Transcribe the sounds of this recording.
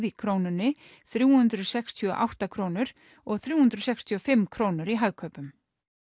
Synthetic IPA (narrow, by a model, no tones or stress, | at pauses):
ðikʰɾownʏnːɪ | θɾjuːhʏnt̪ɾʏðsɛkst̪ʰɔʔa̰wht̪akʰɾownʏɾ̥ | ɔɣθɾjuːhʏnt̪ɾʏðsɛkst̪ʰiɔfɪmːkʰɾoːwnʏɾiɦaɣkʰœːpʏm